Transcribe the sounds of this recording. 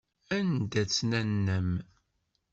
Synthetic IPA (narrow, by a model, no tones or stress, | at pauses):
ænd̪æt͡sːnænːəm